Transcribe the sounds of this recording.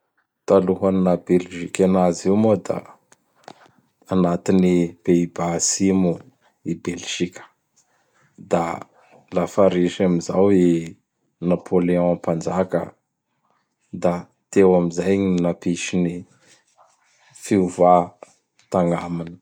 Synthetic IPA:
t̪aluɦannabelʒikʲanazimod̪a̰ | nat̪inib̥ebasimu | ibelʒ̥ikʲə̥ | d̪a | lafaɾiʃamizawi | napʰoleɔ̃ãpand͡ʒakə̰ | d̪a | t̪ewamizajɲinapiʃini | fiuva | t̪aŋaminə̥

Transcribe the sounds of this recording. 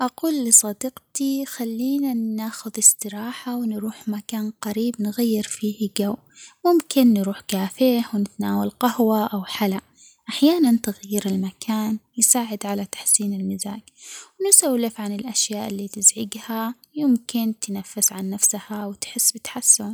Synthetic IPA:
ʔaquːlːɪsˤɑd̪iqt̪ixalːiːnaaːxʊðɪsˤt̪ɨɾɑːħawɪnɾuːħmakaːnqaɾiːbnɣajːɪɾfiːhɡaw | mʊmkɪnːɾuːħkaːfɪhwɪnɪt̪anaːwalqahwaʔawħala | ʔaħjaːnant̪ɪɣajːɪɾɪlmakʰaːnjɪsaːʕɪd̪ʕalat̪ḁħsiːnɪlmɪzaːkwnɪsawlɪfʕanɪlʔaʃjaːʔɪlːiːt̪ɪzʕɪɡha | jɪmkɪnt̪nafːɪsʕanːafshawɪt̪ħɪsːbɪt̪ħasːʊm

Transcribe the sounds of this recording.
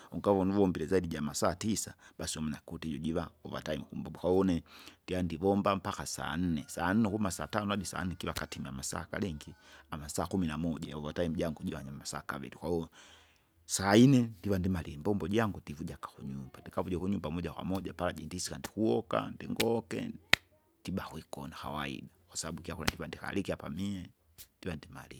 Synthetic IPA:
uŋɡavɔnuvɔmbilɛzaidiɟamasaːtisabasiɔmɛnakutiɟɔɟivaɔva̰taim̩kumbaukaɔnɛndiandivɔmbam̩pakasa̰n̩nɛsaːn̩nɛkumasa̰ːtanɔadisa̰n̩nɛkilakatimia̰masa̰ːka̰lɛŋɡiamasaːkuminamɔɟajauvataim̩ɟaŋɡuɟivaɲamasa̰ːka̰vɛ̰ɾikwa | saːinɛndiwandimaliɛmbɔmbɔʄaŋɡudivuʄakḁkuɲumbandikavuʄɛkuɲumbamɔʄakwa̰mɔʄapalaʄɛndisikandikuɔka̰ndḭŋɡɔkɛ̰ | d̥iɓahwikɔ̰naxa̰waḭɗakwasaɓaɓukiakula̰ndivandika̰likiapa̰miɛ | ndiwandima̰lḭ

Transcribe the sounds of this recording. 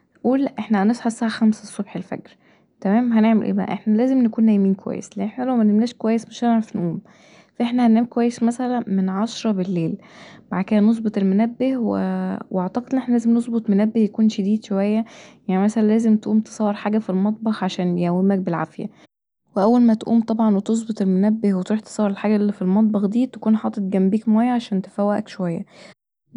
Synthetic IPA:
ʔuːlʔeħnæhænesˤħɑsːæhæxæmsæsˤːobħelfæ̰ɡɾ | t̪æmæːmɦæneʕmḛlʔḛːbæ̰ʔæ̰ʔḛħnælæːzemnekuːnːæjmiːnkowæ̰jːḛsleʔeħnælæwmænemnæːʃkowæjːesmeʃneʕɾɑfnʔuːm | fæʔeħnæhænʔæːmkowæjːesmæsælænmenʕɑʃɾˤɑbelːeːlmaʕd̪̚ked̪ænos̬ˤbet̪ˤelmonæbːehwḛweʔaʕt̪ɑqed̪ʔenʔeħnælæːzemnezˤbot̪ˤmonæbːehjækuːnʃed̪iːd̪ʃowæjːæjaʕnimæsælænlæːzemt̪ʔuːmt̪e̥sˤɑwːeɾħaːɡæfilmɑt̪̚ˤbɑxʕaʃæːnjæwːemæk̚belʕa̰fjæ̰ | weʔæwːælmæt̪ʔṵːmt̪ˤɑbʕɑnwet̪ezˤbot̪ˤelmonæbːehwet̪ɾuːħt̪e̥sˤɑwːeɾelħaːɡæʔlːifilmɑt̪̬̚ˤbɑxd̪iːt̪ækuːnħɑːt̪ˤet̪̚ɡæmbiːkmæːjæʕaʃæːnt̪e̥fæwæʔækʃowæjːæ̰

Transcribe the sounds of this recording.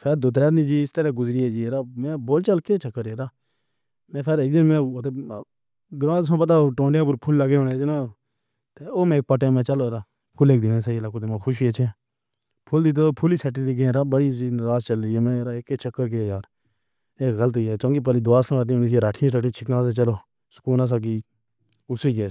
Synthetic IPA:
pʰeɾd̪ʊt̪ɾɛːd̪nĩːd͡ʒiːɪst̪əɾɛːɡʊzɾɪeːd͡ʒiːɾaːmɛ̃ːboːlt͡ʃəlkeːt͡ʃəkːəɾeːɾaː | mɛ̃ːpʰeɾɪk̚d̪ɪnmɛ̃ːoːt̪eː | ɡɾãːs̬ãːpət̪̬aːʈõːɳɖjãːp̬ʊɾpʰʊlːəɡeːɦõːnẽːd͡ʒnaː | t̪eːoːmɛ̃ːk̚pəʈẽːmɛ̃ːt͡ʃəloːɾaː | kʊleːkd̪iːʋẽːsəiːlaːkoːd̪emõːxʰʊʃ̬iːeːt͡ʃʰeː | pʰʊld̪it̪oːpʰʊliːsɛːʈ̬iːɾiːk̬ẽːɾaːbəɽiːiɾaːst͡ʃəlɾiːeːmɛ̃ːɾaːekːeːt͡ʃəkːəɾk̬eːjaːɾ | eːkɣələt̪iːɛːt͡ʃõːŋɡiːp̬əːliːd̪ʊʋaːsãːət̪iːnis̬ieːɾaːʈʰĩsɾaːʈʰĩt͡ʃʰɪknãːseːt͡ʃəloː | sə̥kuːnaːs̬aːk̬iː | ʊsiːɡeː

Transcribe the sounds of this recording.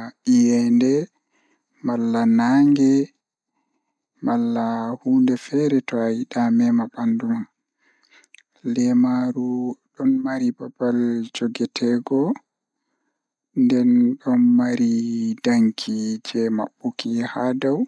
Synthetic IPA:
ʔijɛndɛ | malːanaŋɡɛ | malːahuːndɛfɛɾɛtɔajiɗamɛmabanduman | lɛmaɾuɗɔnmaɾibabald͡ʒoɡɛtʰɛɡɔ | ndɛnɗɔnmaɾidaŋkʰid͡ʒɛma̰ɓːukihadaw

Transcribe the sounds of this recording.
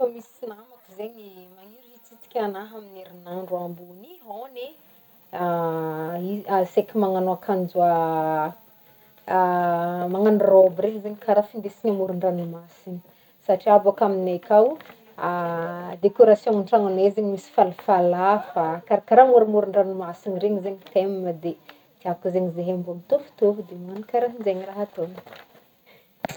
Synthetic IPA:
famisinamakizeɲimaŋiɾuit͡sit̪i̥kʲanaɦamineɾinaɳɖ͡ʐuambunione | a | iasekimaŋanoakʰand͡zua | maŋanurobɾeɲzeɲikaɾafind̪esinamuɾuɳɖ͡ʐanimasini̥ | saʈ͡ʂiabakaminekaw | ad̪ekoɾasjõŋuɳʈ͡ʂaŋanezeɲimisi̥falafalafakaɾakaɾamuɾimuɾuɳɖ͡ʐanimasinireɲizeɲit̪emməd̪e | d̪̥iavkizeɲizeɦembumit̪ofi̥t̪uvud̪emaanikaɾaɦinzeɲiraɦat̪on

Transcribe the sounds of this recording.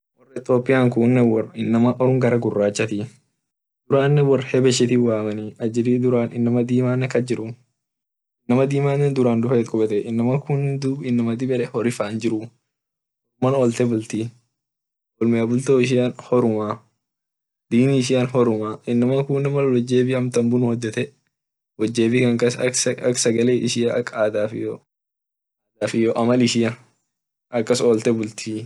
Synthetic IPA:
wɔrːɐɪt̪oːpʼːɪjaːŋkuːnːɛwɔrɐɪnːɐmɐʔɔɾʊŋɡɐɾɐɡʊrːaːt͡ʃːɐt̪i | d̪̥ʊɾaːnːɛwɐrːhɛbɛʃːɛt̪iwaːmɐniɐd͡ʒɪdiːd̪ʊɾaːnɪnːɐmɐd̪iːmaːnːɛkɐd͡ʒɪɾʊ | ɪnːɐmɐd̪iːmaːnːɛnd̪ʊɾaːnd̪ʊfɐt̪kʼʊbɛt̪ɛʔɪnːɐmɐkʰunːd̪ʊɪnːɐmɐd̪ɪbɛᶑɛhɔɾɪfaːnd͡ʒɪɾʊ | ɔmːɐnɔlt̪ɛbʊlt̪i | ɔlmɪjaːbʊlt̪ɛɪʃ̬ɪjaːnhɔɾʊmaː | d̪iːnɪɪʃ̬ɪjanɦɔɾʊmaːʔɪnːɐmɐŋkʊnːɐmɐwɔd͡ʒːeːbɪɐmt̪ɐmbʊnʊhɔd̪ːɛt̪ɛ | wɔd͡ʒːeːfɪkɐŋkɐsɐsɐɐksɐɡɐleːʔɪʃɪjɐɐkːaːd̪aːfɪjo | aːd̪aːfɪjoːʔɐmɐlɪʃɪjɐ | ʔɐkːɐsoːlt̪ɛbʊlt̪ʰi

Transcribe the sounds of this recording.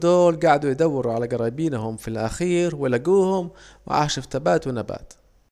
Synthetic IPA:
d̪oːlɡaʕd̪ujd̪awːɪɾuʕalaɡɑɾˤɑːjbiːnhʊmfilʔa̰xiːɾwɪlaɡuːhʊm | wɪ̰ʔa̰ʕʃaft̪abaːt̪wɪnaba̰ːt̪

